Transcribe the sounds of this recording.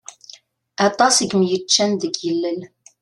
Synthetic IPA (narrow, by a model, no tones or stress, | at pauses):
ɑt̪ˤɑsiɡmjət͡ʃːænðəɡjəlːəl